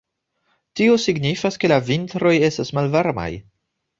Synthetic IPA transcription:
tio̞siɡnifaske̞lavintɾo̞je̞stasmalvaɾma̰j

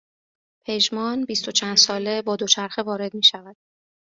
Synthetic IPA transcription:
pʰe̞ʒmɒːnbist̪o̞t͡ʃʰænd̪̥sɒːle̞bɒːd̪o̞t͡ʃʰæɾxevɒːɾe̞d̪miːʃævæd̪̥̚

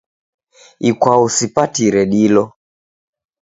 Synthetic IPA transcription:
ikwausipatiɾɛɗilɔ

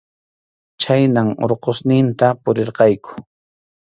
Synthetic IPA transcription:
t͡ʃajnaŋo̰ɾqosnɪnt̪apʊɾeɾqɑjkʊ̥

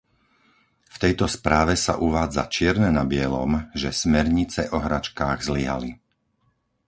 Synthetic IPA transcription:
ft̪ɛjt̪ɔspɾaːʋɛsa̰ʔuʋaːd͡za̰t͡ʃɪɛɾnɛnabɪɛlɔ̰mʒɛsmɛɾɲit͡sɛʔɔɦɾat͡ʃkaːɣzliɦa̰li

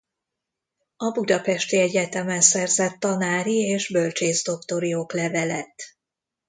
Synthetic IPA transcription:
ɒbud̪ɒpɛʃt̪iɛɟɛt̪ɛmɛnsɛrzɛt̪ːɒnaːɾieːʒbø̞lt͡ʃeːzd̪o̞kt̪o̞ɾioklɛvɛlɛt̪

